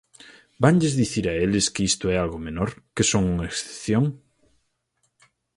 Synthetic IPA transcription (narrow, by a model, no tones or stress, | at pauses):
baŋʎezðiθiɾaeleskeist̪oɛalɣomenoɾkesoŋuŋaeksθe̥pθjoŋ